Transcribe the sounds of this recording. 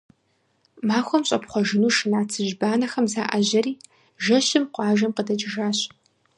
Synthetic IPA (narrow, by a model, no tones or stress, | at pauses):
maːxʷɔmɕʼɐpχʷɔʒɨnuːʃɨnaːt͡sʰɨʒbaːnɐxɐmzaːʔɐʑɐɾiː | ʒɐɕɪmqʷɑːʒɐmqədɐt͡ʃʼɪʒaːɕ